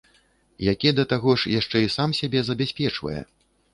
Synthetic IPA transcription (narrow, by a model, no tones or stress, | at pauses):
jakʲɛd̪ɐt̪aɣɔʂjaʂt͡ʂɛisamsʲabʲɛzɐbʲasʲpʲɛt͡ʂvɐ̰jɛ̰